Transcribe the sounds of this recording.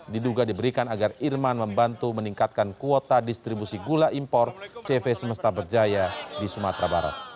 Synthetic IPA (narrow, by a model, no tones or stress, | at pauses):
diduɡadibəɾikanaɡarirmanməmbant̪uməniŋkat̪̚kankuot̪adist̪ɾibusiɡulaʔimpɔrt͡ʃɛfesəməst̪abərd͡ʒajadisumat̪ɾabaɾa̰t̪̚